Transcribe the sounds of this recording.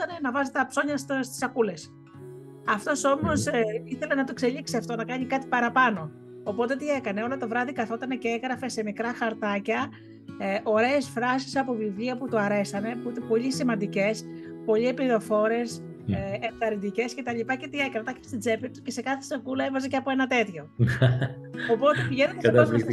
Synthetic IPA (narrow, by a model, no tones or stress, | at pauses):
t̪ɐnenɐvɐzet̪ɐpso̞ɲɐsst̪i̥sɐkule̞s | ɐft̪o̞so̞mo̞siθelenɐt̪okse̞ʎiksiɐft̪o̞nɐkɐɲikɐt̪i̥pɐɾɐpɐno̞ː | po̞t̪e̞t̪ie̞kɐne̞o̞lo̞t̪o̞vɾɐðikɐθo̞t̪ɐne̞ceeŋɣɾɐfe̞se̞mikɾɐxɐɾt̪ɐcɐ | ʔo̞ɾe̞ːsfɾɐsi̥sɐpo̞vivʎiɐput̪uɐɾe̞sɐne̞puit̪epo̞ʎisimɐnd̪ice̞spo̞ʎiepiðo̞fo̞ɾe̞s | eft̪ɐɾid̪ice̞sce̞t̪ɐʎipɐce̞t̪ie̞kɐnet̪ɐçe̥st̪id͡ze̞piɾt̪u̥ce̞se̞kɐθe̥sɐkulɐevɐzeceɐpo̞e̞nɐt̪e̞t̪ço̞ | opo̞t̪epiʝenoeɐɐ